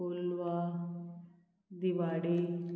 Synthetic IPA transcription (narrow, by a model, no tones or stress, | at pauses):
olʋa | d̪iʋaːɽi